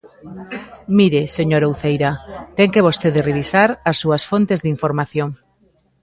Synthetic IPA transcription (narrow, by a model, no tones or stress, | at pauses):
miɾeseɲoɾowθejɾɐt̪ɛŋkeβ̞ost̪eðɪreβisaɾɐsːuɐsfont̪ezðiɱfoɾmaθjoŋ